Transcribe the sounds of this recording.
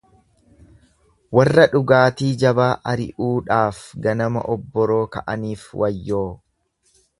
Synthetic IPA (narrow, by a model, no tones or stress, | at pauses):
wɐrːɐᶑʊɡaːt̪iːd͡ʒɐbaːʔɐɾɪ̰ʔuːᶑaːfɡɐnɐmɐ̰ʔɔbːɔɾo̞ːkɐ̰ʔɐniːfwʔɐjːoː